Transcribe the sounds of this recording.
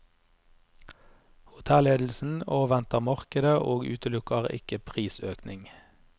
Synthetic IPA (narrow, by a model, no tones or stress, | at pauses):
hʊt̪ʰɛleːd̪l̩sn̩oːʋɛnt̪əʁmɑʁkəd̪əʔoːɡʉːt̪əlʊkəʁɪ̰kəpʰʁiːsøːknɪŋ